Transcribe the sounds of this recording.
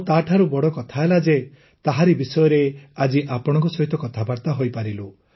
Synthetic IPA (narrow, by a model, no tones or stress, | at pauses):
t̪aʈʰaɾubɔɽɔkɔt̪ʰaelad͡ʒe | t̪aɦaɾibisɔjɔɾead͡ʒiʔapɔɽ̃ɔ̃ŋkɔsɔɦit̪ɔkɔt̪ʰabaɾt̪aɦojpaɾilu